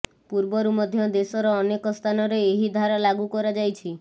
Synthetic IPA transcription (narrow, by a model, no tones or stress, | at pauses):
puɾbɔɾumɔd̪ʱjɔd̪esɔɾɔːnekɔst̪ʰanɔɾeːɦid̪ʱaɾalaɡukɔɾad͡ʒajt͡ʃʰi